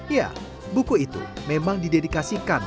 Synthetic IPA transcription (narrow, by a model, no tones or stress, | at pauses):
ja̰ | bukuit̪ṵmemaŋdidedikasikan